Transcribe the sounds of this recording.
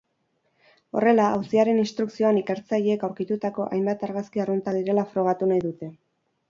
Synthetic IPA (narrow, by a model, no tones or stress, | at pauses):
o̞̰re̞laawsiaɾe̞ninst̪ɾuksio̞anike̞ɾt͡saʎeːkawɾkit̪ut̪ako̞ʔa̰jmbat̪aɾɣaskiarunt̪aðiɾe̞lafɾo̞ɣ̞at̪unajðut̪e̞